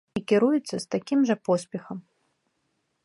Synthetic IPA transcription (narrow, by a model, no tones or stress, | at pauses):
ikʲiɾujɛt̪sːɐst̪akʲimʐɐpɔsʲpʲɛxɐm